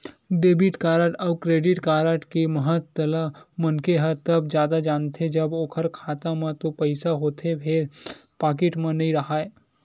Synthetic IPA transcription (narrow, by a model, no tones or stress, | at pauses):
ɖeːbɪʈkaːɾəʈɔbkɾeːɖɪʈkaːɾəʈkeməɦət̪ːəlamɐnkeɦəɾt̪ɐbd͡ʒjaːd̪ad͡ʒaːnt̪ʰed͡ʒɐboːkʰəɾkʰaːt̪amãt̪opɐɪsaɦoːt̪ʰepʰeɾpaːk̬ɪʈmãnɐɦĩɾɐɦaːe